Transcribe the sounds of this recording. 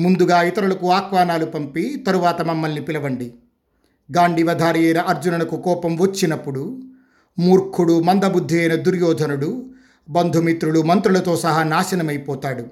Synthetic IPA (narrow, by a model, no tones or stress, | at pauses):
mund̪uɡaːit̪ɐɾulɐkuaːkʰʋaːnaːlupɐmpit̪ɐɾuʋaːt̪ɐmɐmːɐlnipilɐʋɐɳɖi | ɡaːɳɖiʋɐd̪ʱaːɾijɐjnɐʔɐɾd͡ʒunɐnɐkukɔːpɐmʋɐt͡ʃːinɐpːuɽu | muːɾkʰuɽumɐnd̪ɐbud̪ʱːiɐjnɐd̪uɾjɔːd̪ʱɐnuɽu | bɐnd̪ʱumit̪ɾuɽumɐnt̪ɾulɐt̪oːsɐɦanaːʃɐnɐmɐjpɔːt̪aːɽu